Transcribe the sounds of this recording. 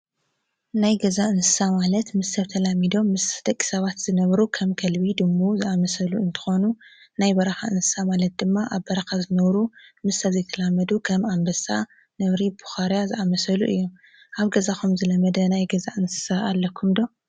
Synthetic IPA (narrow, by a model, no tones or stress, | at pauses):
najɡɐzaʔɨnsɨ̥samalɐt̪mɨsːɐβt̪ʰɐlamid̪o̞mːɨsd̪̥ɐkʼːi̥sɐβat̪z̥ɨnɐβɾukʰɐmkʰɐlβid̪ɨmːuzɨʔamɐsɐluɨnt̪ʰɨ̥xo̞nunajbɐɾɐxaʔɨnsɨ̥samalɐt̪̚d̪ɨmːaʔaβbɐɾɐxazɨnɐβɾumɨsɐzɐjt̪ʰɐlamːɐd̪ukʰɐmambɐsa | nɐβɾibuxaɾjazɨʔamɐsɐluʔɨjːu | ʔaβɡɐzaxumzɨlɐmɐd̪ɐnajɡɐzaʔɨnsɨ̥saːlːɐkʰːumd̪o̞